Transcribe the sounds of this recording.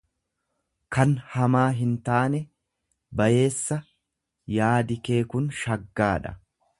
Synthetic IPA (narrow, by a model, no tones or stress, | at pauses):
kɐnhɐmaːɦɪnt̪aːnɛ | bɐje̞ːsːɐ | jaːd̪ɪke̞ːkʊnʃɐɡːaːᶑɐ̥̰